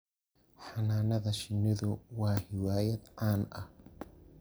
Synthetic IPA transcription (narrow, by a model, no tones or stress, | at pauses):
ħɑnaːnɐðɐʃɪnːɪðʊwɑːħɪwaːjɐd̪ʕaːnʔɐh